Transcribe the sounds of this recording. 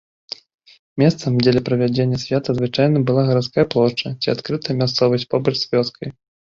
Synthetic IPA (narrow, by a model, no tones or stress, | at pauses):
mʲɛst̪sɐmd͡zʲɛlʲɛpɾɐvʲad͡zʲenʲːɐsʲvʲat̪ɐzvɨt͡ʂajn̪ɐbɨlˠaɣɐɾat̪skajɐplˠɔʂt͡ʂɐt͡sʲiat̪kɾɨt̪ɐɐmʲast̪sɔvɐsʲtʲpɔbɐt͡ʂsʲvʲɔt̪skʰɐj